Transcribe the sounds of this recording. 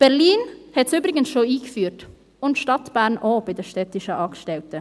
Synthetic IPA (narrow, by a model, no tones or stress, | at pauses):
b̥ɛʁliːnhɛtsyːbɾɪɡənsʃoːiːkfyːɾt | ʊntʃtɑtb̥æːɾnʔoːb̥ɪdəʃtɛtɪʃəʔɑːkʃtɛltə